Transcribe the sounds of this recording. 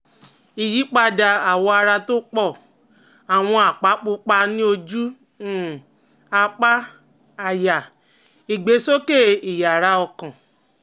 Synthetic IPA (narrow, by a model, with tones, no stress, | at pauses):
i˨ji˨˦k͡pa˧da˧a˨wɔ˧a˧ɾa˧to˦k͡pɔ˦˨ | a˨w̃ɔ̃˧a˨k͡pa˨˦k͡pu˧˦k͡pa˧nĩ˦o˧d͡ʒu˦˨ | a˧k͡pa˦ | a˨ja˨ | i˨ɡ͡be˨˦so˦ke˦˨i˨ja˨ɾa˨˧˦ɔ˧kã˨